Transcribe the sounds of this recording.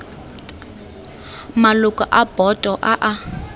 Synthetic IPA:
malʊkʼaʔab̥ɔtʼɔʔaʔa

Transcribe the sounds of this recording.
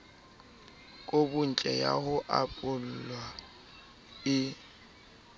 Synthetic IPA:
kʼobʊn̩t͡ɬʼɛja̰hʊʔapʼʊl̩lwa | ɪ

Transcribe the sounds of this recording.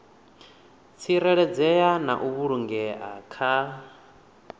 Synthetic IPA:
t͡sʰiɾɛɺɛd͡zɛjana̰ʔuβuɺuŋɡɛa̰kʰa

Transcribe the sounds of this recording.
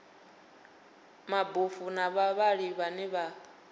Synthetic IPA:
mabufunaβaβaɺiβanɛβa

